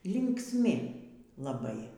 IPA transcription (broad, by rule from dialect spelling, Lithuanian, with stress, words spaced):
lʲɪŋksʲˈmʲɪ lˠɐˈbɐɪ